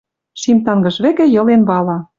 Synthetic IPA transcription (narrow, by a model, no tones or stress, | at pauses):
ʃimt̪ɑŋɡɤ̆ʃβĕkĕjɤ̆lenβɑlɑ